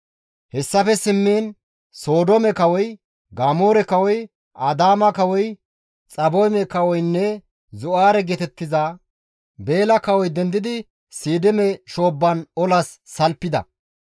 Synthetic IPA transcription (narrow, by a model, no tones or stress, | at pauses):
hɛsːɐfɛsɪmːiːn | so̞ːd̪ɔmɛkɐwɔj | ɡaːmoːɾɛkɐwɔj | ʔɐd̪aːmɐkɐwɔj | t͡sʼɐbɔjmɛkɐwɔjnːɛ | zʊaːɾɛɡɛt̪ɛt̪ːɪzaː | be̞ːlɐkɐwɔjd̪ɛnd̪ɪd̪ɪ | siːd̪ɪmɛʃo̞ːbːɐnɔlɐsːɐlpːɪd̪ɐ̰